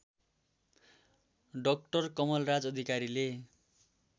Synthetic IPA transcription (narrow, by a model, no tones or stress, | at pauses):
ɖʌk̚ʈʌrkʌmʌlrad͡zʌd̪ʱikaɾile